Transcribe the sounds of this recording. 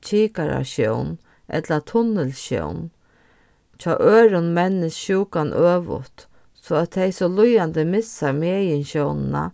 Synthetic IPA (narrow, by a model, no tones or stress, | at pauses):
t͡ɕʰiːkaɾa̰ɕjɔ̰wn | ʔɛ̰t̪lat̪ʰʊnːɪlɕjɔ̰wn | t͡ɕʰɔːʔøːɾʊnmɛnːɪsɕuːkanʔøːʋʊ̰t̪ | sɔæt̪ʰːɛjsɔlʊjant̪ɪmɪsaɾmeːjɪnɕjɔwnɪna̰